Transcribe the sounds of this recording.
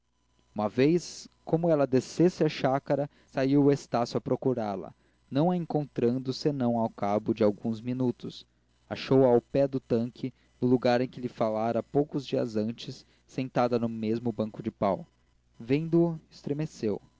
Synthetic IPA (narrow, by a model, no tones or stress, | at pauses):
ũmɐvejskõmʊɛlɐd̪esesɪɐʃakɐɾɐ | saiwʊest̪asjʊɐpɾokuɾaɾlɐ̰ | nɐ̃w̃ɐẽŋkõnt̪ɾɐ̃nd̪ʊsenɐ̃w̃awkabʊd͡ʒɪawɡũzminut̪ʊs | aʃowawpɛd̪ʊt̪ɐ̃ŋkʰɪ | nʊluɡaɾẽj̃kɪlɪfalaɾɐpowkʊzd͡ʒiɐ̰zɐ̃nt͡ʃɪsː | ẽnt̪ad̪ɐnʊmezmʊbɐ̃ŋkʊd͡ʒɪpaw | vẽnd̪ʊʊɪst̪ɾemesew